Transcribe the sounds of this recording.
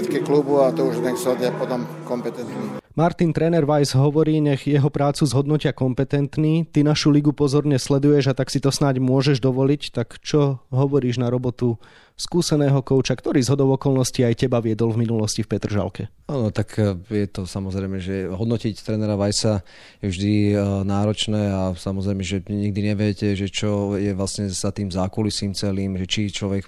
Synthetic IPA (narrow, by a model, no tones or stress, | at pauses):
ɛt̪kiklubuat̪ɔuʒɲɛksɔd̪apɔt̪ɔmkɔmpɛt̪ɛnt̪nimaɾt̪int̪ɾɛnɛɾʋajzɦɔʋɔɾiːɲɛɣjɛɦɔpɾaːt͡suzɦɔd̪nɔcɪakɔmpɛt̪ɛnt̪niːt̪inaʃuliɡupɔzɔɾɲɛslɛd̪ujɛʒat̪aksit̪ɔsnaɟmʊɔʒɛʒd̪ɔʋɔlict̪akt͡ʃɔɦɔʋɔɾiːʒnaɾɔbɔt̪u | skuːsɛnɛːɦɔkɔʊt͡ʃakt̪ɔɾiːzɦɔd̪ɔʊɔkɔlnɔsciajcɛbaʋɪɛd̪ɔlvminulɔscifpɛt̪r̩ʒa̰lkɛ | anɔt̪akʰjɛt̪ɔsamɔzɾɛjmɛʒɛɦɔd̪nɔcict̪ɾɛnɛɾaʋajsa | vʒd̪inaːɾɔt͡ʃnɛːasamɔzɾɛɪmɛʒɛɲiɡ̚d̪iɲɛʋɛcɛʒɛt͡ʃɔjɛʋlasɲɛz̥at̪iːmzaːkɔlisiːmt͡sɛliːmʒɛt͡ʃit͡ʃlɔʋɛk